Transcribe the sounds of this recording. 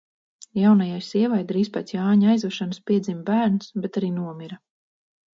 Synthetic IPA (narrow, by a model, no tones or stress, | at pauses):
jawnajajsiɛvajd̪ɾiːspat̪sjaːɲajzvaʃanspiɛzimbæːɾnsbɛt̪aɾiːnuɔmiɾa